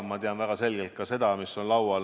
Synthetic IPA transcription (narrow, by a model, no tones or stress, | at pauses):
mɑt̪eɑnvæɡ̥ɑse̞lɡelt̪̚kɑse̞d̪̥ɑmiso̞nlɑwɑ